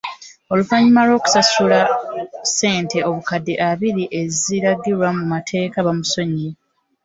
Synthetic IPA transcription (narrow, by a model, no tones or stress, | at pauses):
o̞lufaɲimalo̞ːku̥sasulase̞ːnte̞o̞βukadːeʔaβiɾiʔe̞ziɾaɡiɾwamumatʰe̞ːkaβamuso̞ɲi